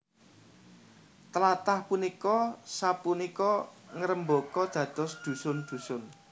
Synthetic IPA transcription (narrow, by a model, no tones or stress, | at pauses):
t̪əlat̪ahpunikɔsapunikɔŋəɾəmbokɔd̪̥ä̤d̪̥ɔ̤sd̪̥ṳsʊnd̪̥ṳsʊn